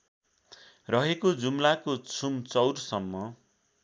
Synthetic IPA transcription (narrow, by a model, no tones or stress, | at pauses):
rʌɦekod͡zumlakot͡sʰumt͡sʌwrsʌmːʌ